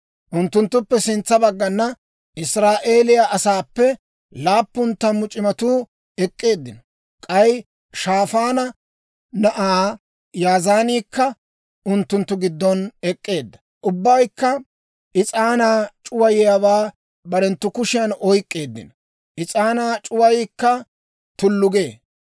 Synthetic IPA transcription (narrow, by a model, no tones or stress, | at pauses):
ʔʊnt̪ːʊnt̪ːʊpːɛsɪnt͡sːɐbɐɡːɐnːɐ | ʔɪsɾaːʔe̞ːlɪjaʔɐsaːpːɛ | laːpːʊnt̪ːɐmʊt͡ʃʼɪmɐt̪uː | ɛkʼːe̞ːd̪ːɪnɔ | kʼɐj | ʃaːfaːnɐ | nɐʔaː | jaːzaːniːkːɐ | ʊnt̪ːʊnt̪ːʊɡɪd̪ːɔnɛkʼːe̞ːd̪ːɐ̥ | ʔʊbːɐjkːɐ | ʔɪt͡sʼaːnaːt͡ʃʼʊwɐjɛjɐwaː | bɐɾɛnt̪ːʊkʊʃɪjɐnɔjkʼːe̞ːd̪ːɪ̰nɔ | ʔɪt͡sʼaːnaːt͡ʃʼʊwɐjɪːkːɐ | t̪ʊlːʊɡe̞ː